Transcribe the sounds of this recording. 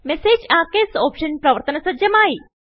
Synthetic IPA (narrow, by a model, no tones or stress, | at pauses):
mɛseːd͡ʒaːkesoːpʃənpɾɐʋəɾt̪ənɐsɐd̪d͡ʒɐmaːi